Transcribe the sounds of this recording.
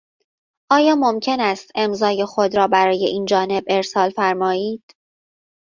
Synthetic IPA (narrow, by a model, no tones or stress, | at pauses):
ʔɒːjɒːmo̞mcʰe̞næst̪e̞mzɒːje̞xod̪ɾɒːbæɾɒːje̞̰ʔiːnd͡ʒɒːne̞be̞ɾsɒːlfæɾmɒːiːd̪̥